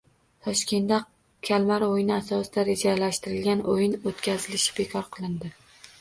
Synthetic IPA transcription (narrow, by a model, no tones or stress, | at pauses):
t̪ʰɒʃkʲe̞nd̪a | kʲʰalmaɾojɪnɪasɒsɪd̪aɾed͡ʒalaʃt̪ɪɾɪlɡʲanʔojɪnot̪kʲʰazɪlɪʃɪ̥b̥ekʰɒɾqʰɨlˠɪnd̪ɪ